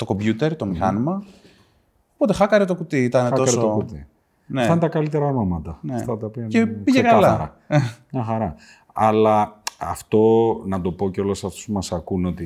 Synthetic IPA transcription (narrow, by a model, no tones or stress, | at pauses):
t̪o̞ko̞mbʝut̪e̞ɾt̪o̞mixɐnimɐ | opo̞t̪e̞xɐkɐɾet̪o̞kut̪iit̪ɐneo̞soot̪i | neθɐnt̪ɐkɐlit̪eɾɐnomɐt̪ɐnet̪ɐt̪ɐpiɐceiʝekɐllɐɾɐ | ɲɐxɐɾɐ | ɐlɐɐft̪o̞nɐt̪o̞po̞ceo̞losɐft̪ospumɐsɐkuno̞t̪i